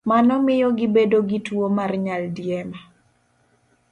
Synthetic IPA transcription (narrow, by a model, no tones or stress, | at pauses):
manɔmɪjɔɡɪbedoɡitwomarɲaldjɛma